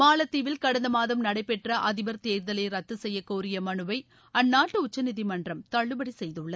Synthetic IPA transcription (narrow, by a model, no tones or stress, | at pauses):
maːlɐt̪ːiʋɪlkɐɽɐnd̪ɐmaːðɐmnɐɽɐɪpːɛʈrɐʔɐðɪʋɐɾt̪eːɾðɐleːɾɐt̪ːɯsɛjːɐkoːɾɪjɐmɐɳɯʋɐɪ | ɐnːaːʈːɯʊt͡ʃːɐnɪðimɐndrɐmt̪ɐɭːɯbɐɽisɛjðɯɭːɐð